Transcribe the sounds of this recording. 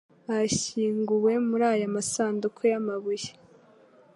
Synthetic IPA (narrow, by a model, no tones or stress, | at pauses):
açiːŋɡuwe̞muɾaːjamasaːndukʰojamaβuje̥